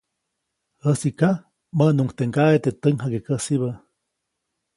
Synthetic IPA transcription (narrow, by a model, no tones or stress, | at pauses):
əsika | mənuŋkt̪eŋkaet̪et̪əŋɦakekəsiβə